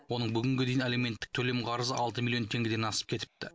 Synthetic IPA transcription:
wo̞nəɴbʏɡʲɪŋɡʲe̞d̪ejɪneleme̞nt̪ːɪ̥k̚t̪ʰɵle̞mqʰɑɾəzəɑlˠt̪əmilʲijo̞nt̪ʰe̞ŋɡʲɪd̪enɑsə̥p̚kʲʰe̞t̪ɪ̥p̚t̪ɪ

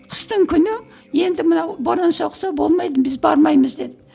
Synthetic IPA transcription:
qʰə̥st̪əɴkʲʰʏnɪ | je̞nd̪ɪmənɑwboɾɑnsoqsɑbo̞̰lˠmɑjd̪əmbɪzbɑ̰ɾmɑjməzd̪e̞d̪ɪ

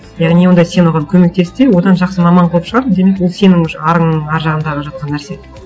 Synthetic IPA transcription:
jɑʁnijo̞nd̪ɑjse̞nwoʁɑŋkʲʰɵme̞k̚t̪e̞st̪ewo̞d̪ɑnʒɑqsəmɑmɑɴqʰolˠəpʃəʁɑɾmənd̪e̞me̞kwolˠse̞nɪŋʃɑɾəɴɑɾʒɑʁənd̪ɑʁəʒɑt̪̚qɑnːæɾse̞

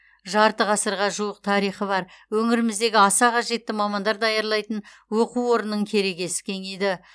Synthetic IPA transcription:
ʒɑɾt̪əʁɑsəɾʁɑʒuwəq̚t̪ʰɑɾijχəbɑɾwɵŋɪɾɪmɪzd̪e̞ɡʲɪɑsɑqɑʒe̞t̪ːɪmɑmɑnd̪ɑɾd̪ɑjɑɾlˠɑjt̪ən | wo̞quwwo̞ɾənːəɴkʲʰe̞ɾe̞ɡʲe̞sɪ̥kʲʰe̞ŋejd̪ɪ

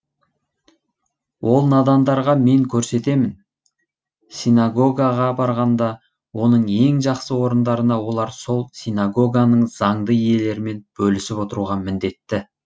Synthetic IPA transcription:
wʔo̞lˠnɑd̪ɑnd̪ɑɾʁɑme̞ŋkʲʰɵɾse̞t̪e̞mɪn | sʲinaɡo̞ɡaʁɑbɑɾʁɑnd̪ɑ | wo̞nəɴe̞ŋʒɑqsəwo̞ɾənd̪ɑɾənɑwo̞lˠɑɾso̞lˠsijnaɡo̞ɡanəɴz̥ɑɴd̪əje̞le̞ɾɪme̞nb̥ɵlɪsɪpot̪əɾuʁɑmɪnd̪e̞t̪ːɪ

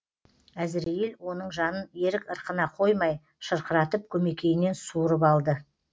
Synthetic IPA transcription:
æzɪɾejilwo̞nəɴʒɑnəne̞ɾɪkəɾqənɑqʰo̞jmɑj | ʃəɾqəɾɑt̪əp̚kʲʰɵme̞kʲe̞jɪne̞nsuɾəpɑlˠd̪ə

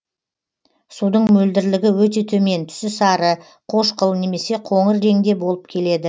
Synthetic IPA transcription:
sud̪əɴmɵld̪ɪɾlɪɡʲɪwɵt̪̬e̞t̪ʰɵme̞nt̪ʰʏ̥sɪsɑɾə | qʰo̞ʃqəlˠne̞me̞se̞qʰo̞ɴəɾɾe̞ŋd̪e̞bo̞lˠəp̚kʲʰe̞le̞d̪ɪ

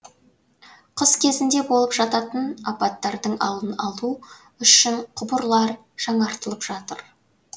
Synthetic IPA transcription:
qʰʊzkʲʰe̞zɪnd̪e̞bo̞lˠəpʒɑt̪ɑt̪ənɑpɑt̪ːɑɾd̪əɴɑ̰lˠənɑlˠu | ʏʃɪɴqʰʊbəɾlˠɑɾ | ʒ̥ɑɴɑɾt̪əlˠəpʒ̥ɑt̪əɾ

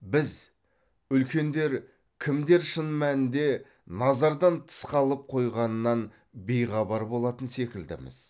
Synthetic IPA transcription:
bɪz | ʏlkʲe̞nd̪e̞ɾ | kʲʰɪmd̪e̞ɾʃənmænɪnd̪e̞ | nɑzɑɾd̪ɑnt̪ʰə̥sqɑlˠəp̚qʰo̞jʁɑnənːɑn | be̞jʁɑbɑɾbo̞lˠɑt̪ənse̞kʲɪld̪ɪ̰mɪ̰z̥

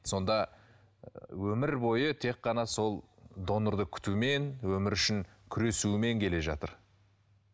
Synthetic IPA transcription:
so̞nd̪ɑ | wɵmɪɾbo̞jət̪ʰe̞kːɑnɑso̞lˠd̪o̞nəɾd̪əkʲʰʏ̥t̪ume̞nwɵmɪɾʏʃɪŋkʲʰʏɾe̞sume̞ŋkʲʰe̞le̞ʒɑ̰t̪ə̰ɾ

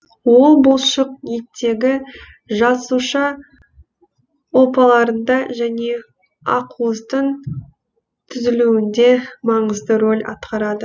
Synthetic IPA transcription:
wo̞lˠbolˠʃəq̚net̪ːe̞ɡʲɪ | ʒɑsuʃɑ | wopɑlˠɑɾənd̪ɑʒæne̞ | ɑ̰quəzd̪əɴ | t̪ʰʏzɪluwɪnd̪e̞mɑɴəzd̪əɾo̞lʲɑ̰t̪qɑɾɑd̪ə

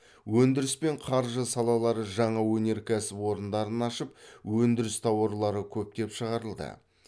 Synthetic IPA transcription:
wɵnd̪ɪɾɪspe̞ɴqʰɑɾʒəsɑlˠɑlˠɑɾəʒɑɴɑwɵne̞ɾkʲʰæsɪpwo̞ɾənd̪ɑɾənɑʃəp̚wɵnd̪ɪɾɪst̪ʰɑwoɾlˠɑɾəkʲʰɵp̚t̪e̞pʃəʁɑɾəlˠd̪ə̰

